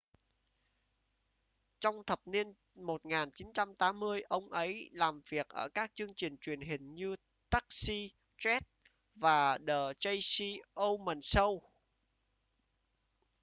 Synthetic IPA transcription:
t͡ɕɔ˧wŋ͡mt̪ʰə˨˩p̚ni˧ən | mo˨˩t̚ŋaː˨˩nt͡ɕi˨˦nt͡ɕa˧mt̪aː˨˦mːɨ˧əjʔə˧wŋ͡mʔə˨˦jlaː˨˩mvi˨˩ək̚ʔə̰ː˧˩kaː˦˥k̚t͡ɕɨ˧əŋt͡ɕï˨˩ŋ̟t͡ɕwi˧˩ənɦï˨˩ŋ̟ɲɨ˧ | t̪a˦˥k̚si˧ | t͡ɕwɛ˦˥t̚ | vaː˨˩ɗəː˨˩t͡ɕə˧jsi˧ʔo˧mə˨˩nsə˧w

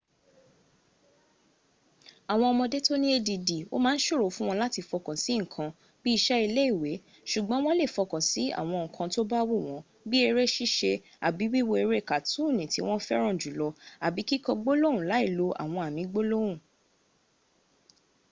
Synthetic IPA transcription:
a˨w̃ɔ̃˧ɔ˧mɔ̃˧de˦to˦nĩ˦e˧di˧di˨o̰˦mãː˦n̩˦ʃo˦ɾo˨˦fũ˦w̃ɔ̃˧la˦ti˧fɔ˧kɔ̃˨si˨˦ŋ̩˨kʰã˧ | bi˦i˧ʃɛ˦i˧le˦i˦˨we˨˦ | ʃu˨ɡ͡bɔ̃˨˦w̃ɔ̃˦le˦˨fɔ˧kɔ̃˨si˨˦a̰˨w̃ɔ̃˧ŋ̩˨kʰã˧to˦ba˦wo˦˨w̃ɔ̃˨˦ | bi˦e˧ɾe˦ʃi˦ʃe˧ | a˨bi˨˦wi˦wo˧e˧ɾe˦˨ka˨tũ˦˨nĩ˨ti˨˦w̃ɔ̃˦fɛ˦ɾ̃ɔ̃˦˨d͡ʒu˨˦lɔ˧a˨bi˨˦ki˦kɔ̃˧ɡ͡bo˦lo˦wũ˨la˨˦i˦˨lo˧ʔa̰˨w̃ɔ̃˧a˨mĩ˨˦ɡ͡bo˦lo˦wũ˦˨

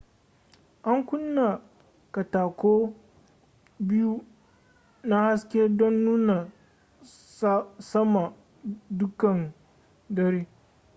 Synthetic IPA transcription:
ʔa˦ŋkʷʊ˦nːa˨ | ka˨taː˨kʷoː˦ | bɪ˦ju˦ | na˦ha˦skʲe˦dɔ˦nːuː˦na˨ | sɐ˦ma˨ | dʊ˦kɐ˨n | dɐ˦ɾeː˦

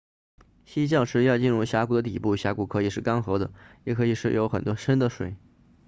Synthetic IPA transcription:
ɕi˥t͡ɕjɑ˥˧ʊʂʰɻ̩˥˧jɑ˥˧ʊt͡ɕi˥˧nɻu˥˩ɕja˧˥ku˨˩d̪ə˦t̪i˨˩pu˥˩ɕja˧˥ku˨˩kʰɤ˧˥i˨˩ʂɻ̩˥˩kɑ˥ŋxɤ˧˥d̪ə˧jɛ˨˩kʰɤ˧˥i˨˩ʂɻ̩˥˩jo˧˥ʊxə˨˩nt̪wɔ˥ʂə˥nd̪ə˨ʂwḛ˨˩˦ɪ

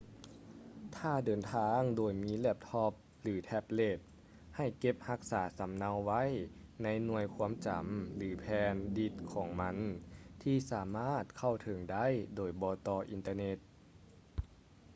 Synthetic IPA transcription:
t̪ʰaː˧˩dɤː˨˩nt̪ʰaː˧ŋdoː˨˩jmiː˧˥lɛ˧˩p̚t̪ʰɔ˧p̚ | lɯː˩˦t̪ʰɛ˦˧p̚le˧˩t̪̚ | ha˧˩jke˧˥p̚ha˧˥k̚saː˩˦sa˨˦mna˧wːa˧˥˨jna˧˥jnu˧əjkʰuː˧˥əmt͡ɕa̰˨˦mlɯː˩˦pʰɛː˧ndi˧˩t̪̚kʰɔː˩˦ŋma˧˥nt̪ʰiː˧˩saː˩˦maː˥˩t̪̚kʰa˧˩wt̪ʰɤ˨˦ŋda˥˨jdoː˨˩jbɔː˧t̪ɔː˧ʔi˧nt̪aː˧ne˧t̪̚

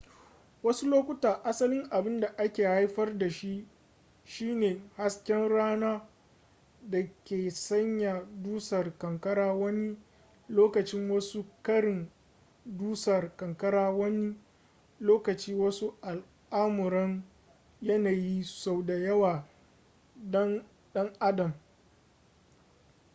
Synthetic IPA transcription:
wɐ˦su˦loː˦kʷʊ˦taː˨ʔa˦sɐ˦lɪ˦ŋʔa˨bɪ˦nda˨ʔa˦kʲeː˨ha˦jɸɐ˦rda˨ʃi˦ʔ | ʃiː˦neː˨ha˦skʲɛ˦nɽaː˦naː˦ | dɐ˨kʲeː˨sɐ˦ɲja˨duː˦sɐ˨rkɐ˨ŋkɐ˦ɽaː˦wɐ˦ni˦ | loː˦kɐ˨t͡ʃɪ˦ŋwɐ˦su˦kɐ˦ɽɪ˨n | duː˦sɐ˨rkɐ˨ŋkɐ˦ɽaː˦wɐ˦ni˦ | loː˦kɐ˨t͡ʃiː˦wɐ˦su˦ʔa˨l | ʔaː˦mʊ˨ɾɐ˦ŋ | jɐ˦naː˨ji˦sa˨wda˨jɐ˦waː˨ | dɐ˦n | ɗɐ˦ŋʔa˦dɐ˨m

